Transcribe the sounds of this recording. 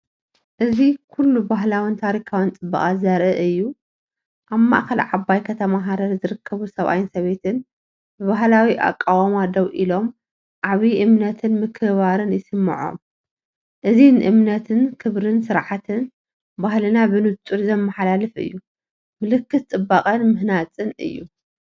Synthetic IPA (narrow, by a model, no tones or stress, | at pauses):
ʔɨzikʰulːubaɦlawint̪ʰaɾikʰawint͡sʼɨbːɐχʼazɐɾʔɨʔɨjːu | ʔaβma̰ʔxɐlʕaβajkʰɐt̪ʰɐmaɦaɾɐɾzɨɾɨkʰːɐβusɐβʔa̰jɪnsɐβe̞t̪ʰɨn | bɨβaɦlawiʔa̰kʼːawamad̪ɐwʔilo̞m | ʔaβiʔɨmnɐt̪ʰɨnmɨkʰɨβaɾɨnjɪsɨmːɨ̰ʕo̰m | ʔɨzinʔɨ̰mnɐt̪ʰɨnkʰɨβɾɨnsɨɾʕat̪ʰɨn | bahlɨnabɨnɨt̪ʼuɾzɐmːɐħalalɨfɨ̰jːu | mɨlɨkːɨt̪̚t͡s̪ʼɨbːakʼɐnmɨhnat͡sʼɨnɨ̰jːu